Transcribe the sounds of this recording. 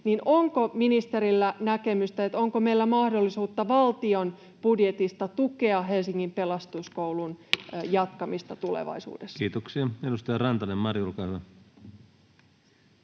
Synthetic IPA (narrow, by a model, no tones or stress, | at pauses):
ninʔoŋkominist̪eɾilːænækemyst̪ɑet̪oŋkomeilːæmɑhdolːisuːt̪ːɑʋɑlt̪io̞n | b̥udjet̪ist̪ɑt̪ukeɑɦe̞lsiŋːimpelɑst̪uskoulunjɑt̪kɑmist̪ɑt̪ulḛʋɑ̰isṵːdesːkiːt̪oksiɑedust̪ɑjɑrɑnt̪ɑnemmɑrjulkɑːhyʋæ